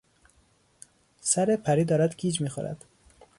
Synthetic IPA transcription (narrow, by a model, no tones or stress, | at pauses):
sæɾepʰæɾiːd̪ɒːɾæd̪ɡʰiːd͡ʒmiːxo̰ɾæ̰d̪̥